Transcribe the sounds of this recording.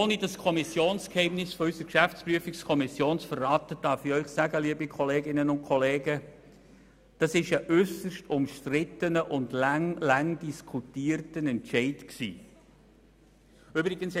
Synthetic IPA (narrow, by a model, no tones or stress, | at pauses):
oːnidɑskʰɔmisjoːnskhɛɪmnɪsfɔysəɾkʃæft͡spryəfikskʰɔmisjoːnsfərːɑːt̪əd̥ɑɾfiœʏχsæɡəliəbikʰχɔleːɡɪnənʊnt̚kʰɔleːɡə | d̥ɑsɪʃəʔʏsəʃtʊmʃtɾɪt̪ənəʔʊndlŋlɑŋdiskʰutiːərtənɛntʃɛɪtksḭː | ybɾɪɡ̥əns